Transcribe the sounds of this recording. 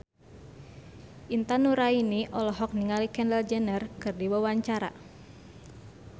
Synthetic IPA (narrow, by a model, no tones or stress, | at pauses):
ʔint̪anuɾainiʔɔlɔɦɔk̚niŋalikɛndɛld͡ʒɛnərkɨrdiwawaɲt͡ʃaɾa̰